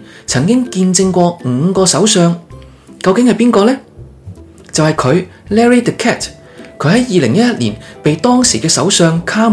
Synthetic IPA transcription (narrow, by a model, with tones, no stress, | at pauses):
t͡sʰɐ˨˩ŋkɪ˥ŋkiː˧nt͡sɪ˧ŋkʷɔː˧ŋ̩ː˨˧kɔː˧sɐ˨˥wsœː˨˧ŋ | kɐ˧wkɪ˨˥ŋhɐ˨jpiː˥nkɔː˧lɛː˥ | t͡sɐ˨whɐ˨jkʰɵ˨˧ɥlɛː˥ɹi˥t̪ɛ˨kʰːɛː˥t | kʰɵ˨˧˥ɥɦɐ˨˥jjiː˨˧lɪ˨˩ŋjɐ˥t̚jɐ˥t̚lḭː˨˩npe˨jt̪ɔː˥ŋsiː˨˩kɛː˧sɐ̰˨˥wsœː˧ŋkʰaː˥m